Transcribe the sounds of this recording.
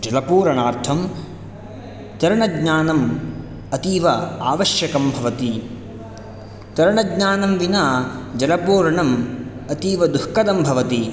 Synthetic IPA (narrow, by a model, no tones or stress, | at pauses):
d͡ʒɐlɐpuːɾɐɳaːɾt̪ʰɐm | t̪ɐɾɐɳɐɡɲaːnɐm | ɐt̪iːʋɐa̰ːʋɐʃjɐkɐmbʱɐʋɐt̪i | t̪ɐɾɐɳɐɡɲaːnɐmʋinaːd͡ʒɐlɐpuːɾɐɳɐmɐt̪iːʋɐd̪uhkɐd̪ɐmbʱɐʋɐt̪i